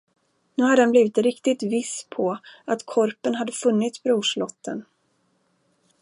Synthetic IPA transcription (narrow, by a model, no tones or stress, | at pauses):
nʉ̟ːhad̪ːəhɛnbliːvɪt̪ɾɪkt̪ɪt̪vɪspʰɔat̪kʰɔɾpənɦad̪ːəfɵnːɪt̪sbɾuːʂɭɔt̪ʰːən